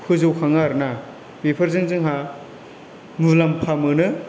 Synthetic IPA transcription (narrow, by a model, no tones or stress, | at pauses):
hʰɯzɯwkʰaŋaɾna | pepʰɐɾzɯŋzɯŋɦa | mɯlampʰamɯnɯ